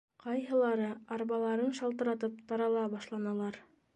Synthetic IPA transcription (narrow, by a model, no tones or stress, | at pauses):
qɑjɦɤ̆lˠɑɾɤɑɾβɑlˠɑɾɤnʃɑlˠt̪ɤ̆ɾɑt̪̬ɤp̚t̪ɑɾɑlˠɑbɑʃlˠɑnɑlˠɑɾ